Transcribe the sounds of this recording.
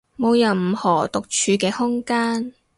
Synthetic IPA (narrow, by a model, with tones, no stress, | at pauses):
mo˨˧wjɐ˨wm̩˨˩hɔː˨˩t̪ʊ˨k̚t͡ʃʰyː˨˧kɛː˧hʊ˥ŋkaː˥n